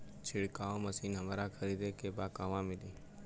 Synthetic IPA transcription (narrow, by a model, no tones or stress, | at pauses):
t͡ʃʰɪɽkaːõməsiːnɦəmaːɾakʰəɾiːd̪ekebaːkaːʋãːmɪliː